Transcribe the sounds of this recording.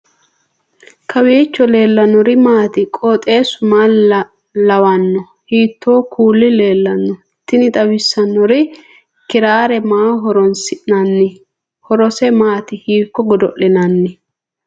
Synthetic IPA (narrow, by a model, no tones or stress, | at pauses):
kɐweːt͡ʃːɔle̞ːlːɐnɔɾɪmaːt̪ɪkʼɔːt̪ʼeːsʊmaː | lɐwɐnːɔ | hiːt̪ʰːo̞ːkʰuːlːɪle̞ːlːɐnːɔ | t̪ːɪnɪt̪ʼɐwɪsːɐnːɔɾɪ | kɪɾaːɾɛmaːɦɔɾɔnsɪʔnɐnːɪ | hɔɾɔsɛmaːt̪ɪhiːkːɔɡɔd̪ɔ̰ʔɪnɐnːɪ